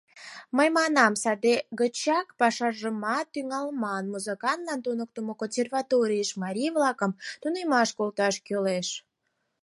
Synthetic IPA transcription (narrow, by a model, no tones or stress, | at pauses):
məjmɑnɑmsɑd̪eɣət͡ɕɑkpɑʃɑrʒəmɑt̪ːyŋɑlmɑnmuzəkɑnt̪lɑnt̪unək̚t̪əmokonʲsʲervɑt̪oɾʲijəʃmɑɾʲivlɑkəmt̪unemɑʃkolt̪ɑʃkøleʃ